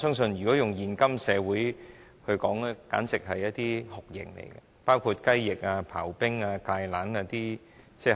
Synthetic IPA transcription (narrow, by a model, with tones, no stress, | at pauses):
sœː˥ŋsɵ˧njy˨˩kɔː˨˥jʊ˨ŋjiː˨˩nkɐ˥msɛː˨˧wuː˨˥j | hɵ˧ɥkɔː˨˥ŋlɛː˥ka̰ː˨˥nt͡sɪ˨k̚ɦɐ˨jɐ˥t̚t̪iː˥hʊ˨˩k̚jɪ̰˨˩ŋlḛ˨˩jɡɐ̰˧paː˥wkʰuː˧t̚kɐ˥jːɪ˨k̚aː˧pʰaː˨˩wpɪ˥ŋaː˧kaː˧jlaː˨˥naː˧t̪iː˥ | t͡sɛː˥